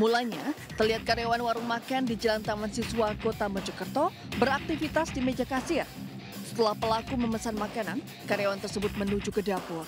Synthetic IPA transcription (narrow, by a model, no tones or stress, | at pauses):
mulaɲa | t̪ərliɦat̪̚kaɾjawanwaɾuŋmakandid͡ʒəlaŋt̪amansiswakot̪aməd͡ʒəkərt̪ɔ | bəɾak̚t̪ifit̪asdimed͡ʒakasir | sə̥t̪əlahpəlakuməməsanmakanan | kaɾjawant̪ərsəbʊt̪̚mənud͡ʒukədapʊr